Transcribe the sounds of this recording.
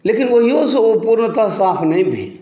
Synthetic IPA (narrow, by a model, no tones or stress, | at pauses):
leːkinʋoɦiosẽopuɾnt̪əsaːpʰnəĩbʱḛ̃